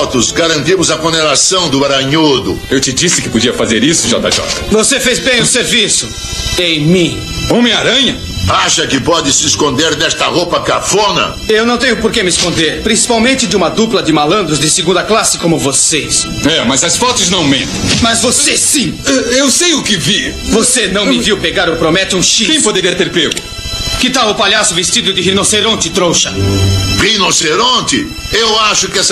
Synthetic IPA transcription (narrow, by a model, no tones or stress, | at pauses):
t̪ʊzɡaɾɐ̃nt̪imʊzɐkõnd̪enasɐ̃w̃d̪ʊaɾɐ̃ɲod̪ʊ̰ewt͡ʃɪd͡ʒisɪkɪpod͡ʒiɐfazeɾisʊʒɔ̰t̪ɐ̰ʒɔ̰t̪ɐ̥vosefezbẽj̃ʊseɾvisʊ | ẽj̃mĩ | õmẽaɾɐ̃ɲɐ | aʃɐkɪpɔd͡ʒɪsɪɪskõnd̪eɾd̪ɛst̪ɐʁopɐkafõnɐ̰ | ewnɐ̃w̃t̪ẽɲjʊpoɾkemɪskõnd̪eɾpɾĩsi̥pawmẽnt͡ʃɪd͡ʒɪũmɐd̪uplɐd͡ʒɪmalɐ̃nd̪ɾʊzd̪ɪsɪɡũnd̪ɐklasɪkõmʊvoses | ɛmɐzɐsfɔt̪ɪznɐ̃w̃mẽt̪ɐ̃mɐzvosesĩɛewsejʊkɪvi | vosenɐ̃w̃mɪviwpeɡaɾopɾomɛt͡ʃɪũʃikẽj̃pod̪eɾiɐt̪eɾpeɡʊ | kɪt̪awʊpaʎasʊvest͡ʃid̪ʊd̪ɪɦinoseɾõnt͡ʃ̪ɪt̪ɾowʃɐʁinoseɾõnt̪ɪ̰ | ewaʃʊkɪɛs